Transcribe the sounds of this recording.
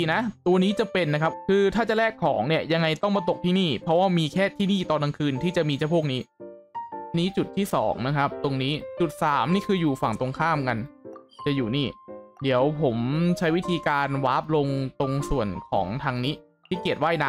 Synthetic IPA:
i˧na˦˥t̪u˧niː˦˥t͡ɕa˨pe˧nːa˦˥kʰa˦˥p̚kʰɯː˧t̪ʰaː˥˩t͡ɕa˨˩lɛː˥˩kʰːɔː˩˦ŋni˥˩ɐja˧ŋːa˧jt̪ɔ˥˩ŋma˧t̪o˨˩k̚t̪ʰiː˥˩niː˥˩pʰɾɔ˦˥waː˥˩miː˧kʰɛː˥˩t̪ʰiː˥˩niː˥˩t̪ɔː˧na˧ŋkʰɯː˧nt̪ʰiː˥˩t͡ɕa˨˩miː˧t͡ɕʰa˥˩pʰu˥˩k̚niː˦˥˧ | niː˦˥t͡ɕu˨˩t̪ʰːiː˥˩sɔ̰ː˩˦ŋna˦˥kʰa˦˥p̚t̪o˧ŋniː˦˥t͡ɕu˨˩t̪̚saː˩˦mniː˥˩kʰɯː˧juː˨˩fa˨˩ŋt̪o˧ŋkʰaː˥˩mka˧nt͡ɕa˨˩juː˨˩niː˥˩diː˩˦əwpʰo˩˦mt͡ɕʰa˦˥jwi˦˥t̪ʰiː˧kaː˧nwaː˦˥p̚lo˧ŋt̪o˧ŋsu˨˩ənkʰɔ̰ː˩˦ŋt̪ʰaː˧ŋni˦˥ | t̪ʰiː˥˩ki˨˩ət̪̚waː˥˩jna˦˥

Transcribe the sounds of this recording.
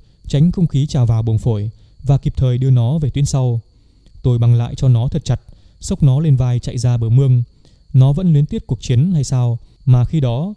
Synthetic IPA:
t͡ɕa˨˦jŋ̟xə˧wŋ͡mxi˨˦t͡ɕaː˨˩wvaː˨˩wɓo˨˩nfo˧˩j | vaː˨˩ki˨˩p̚t̪ʰəː˨˩jɗɨ˧ənɔ˨˦ve˨˩t̪wi˨˦ənsa˧w | t̪o˧jɓa˨˩ŋla̰ː˧˨jt͡ɕɔ˧nɔ˨˦t̪ʰə˨˩t̚t͡ɕa˨˩t̚ | sə˦˥wk͡p̚nɔ˨˦le˧nvaː˧jt͡ɕa̰˧˨jzaː˧ɓəː˧˩mɨ˧əŋ | nɔ˨˦və̰˧˥nlwi˨˦ənt̪i˦˥ət̚ku˨˩ək̚t͡ɕi˨˦ənːa˧jsaː˧w | maː˨˩xi˧ɗɔ˨˦

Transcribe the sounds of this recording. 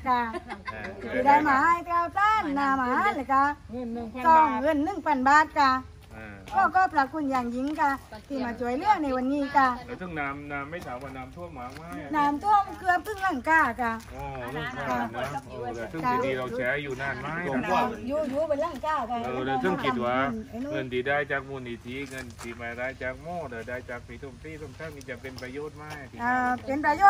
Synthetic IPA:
ka˧˩˧ | t̪ʰi˧˩da˧˨jmaː˨˧˦jt̪ɾaː˧˨wt̪aː˧˥˨nːaː˧˨maː˨˧˦la˧˦ka˧n˧˨sɔː˧˩ŋŋɤ˧˨nːɯ˧˥˨ŋpa˧˩nbaː˧˦t̪̚ka˧ | kʰɔː˧˩kɔː˧˩pʰɾa˧kʰu˧˨njaː˧˩ŋji˧˦ŋka˧t̪ʰiː˧˩˨maː˧˩t͡ɕu˨˦ə˦jlɯ˧˥˩əŋna˧˩jwa˧˨nːiː˧˥˨ka˧˩˧t̪ʰɯ˧˥˨ŋnaː˧mnaː˧mːa˧˩jt̪ʰaː˨˦maː˧˩naː˨˧˦mt̪ʰu˧˥ɐmaː˨˧˦ŋma˧naː˧˥mt̪ʰu˧˥˩əm˧kʰɯ˧ə˧mpʰɯ˧˥˨ŋla˧˩˨ŋkaː˧˩ka˧˩ʔɔː˧˩ɯ˧˩aa˧˩naː˦˧˩sʰɯ˥˧a˧˩iː˧˨ɾa˧wt͡ɕʰɛː˨˧˥juː˨˩naː˧˩nmaː˥˨o˧˨˧juː˧juː˧˦ba˧nla˧˥˩ŋkaː˧˩kaː˧ʔɤː˧˩la˧sɯ˧˥˩ŋki˨˧t̪̚waː˧˨˧ŋɤ˧˨ndiː˨˦daː˧˩jt͡ɕaː˨˩k̚mu˧˩ni˧˩t̪ʰi˧˥ŋɤ˧˩nt̪i˨˩maː˨˩ɾaː˧˥jt͡ɕaː˨˩k̚mɔː˧˩da˨˩daː˧˩jt͡ɕaː˨˩k̚pʰiː˨˦t̪ʰo˧˩˨mt̪iː˧˥˨t̪ʰo˧˩ŋkʰaː˧˥˩ŋniː˧t͡ɕa˨˧˩pe˧npɾaː˧joː˥˩t̪̚maː˧˩˨ʔɤː˧pe˧npɾa˧joː˥˩

